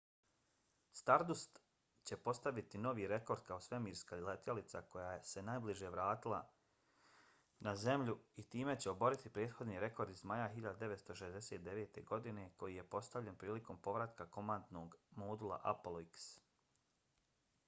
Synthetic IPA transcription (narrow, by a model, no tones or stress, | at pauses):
st̪aɾd̪ust̪ | t͡ɕe̞po̞st̪aʋit̪ino̞ʋiːɾe̞ko̞ɾd̪̚kao̞sʋe̞miːɾskailet̪jalit̪sako̞jaːje̞se̞naːjbliʒeʋɾaːt̪ilˠa̰ | naze̞mʎuit̪iːme̞t͡ɕe̞o̞bo̞ɾit̪ipɾeːd̪xo̞d̪niːɾe̞ko̞ɾd̪izmajaɦiʎad̪ad̪e̞ʋet̪st̪o̞ʃezd̪e̞set̪̚d̪e̞ʋeːt̪e̞̰ɡo̞d̪ine̞ko̞jije̞po̞st̪aʋʎe̞npɾiːliko̞mpo̞ʋɾat̪kako̞mand̪no̞ɡmod̪ulˠa̰ʔa̰polˠoiks